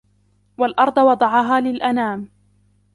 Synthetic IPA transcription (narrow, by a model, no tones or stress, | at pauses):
walʔɑɾˤd̪ˤɑwɑd̪ˤɑʕɑɦaːlɪlʔanaːm